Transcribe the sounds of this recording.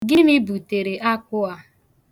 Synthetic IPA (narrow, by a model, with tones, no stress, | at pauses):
ɡɪ˦mɪ˦bu˨te˨ɾe˨ʔa˦kʊ˦a˦